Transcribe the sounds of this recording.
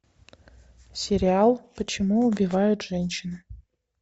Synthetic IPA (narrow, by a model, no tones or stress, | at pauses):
sʲeɾʲialˠpət͡ɕʰɪmuubʲivajutʐ̥ɛnʲʃɪn